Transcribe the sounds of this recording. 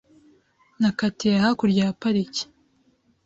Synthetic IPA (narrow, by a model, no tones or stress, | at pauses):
nakateahakuɾɟaːpaɾici̥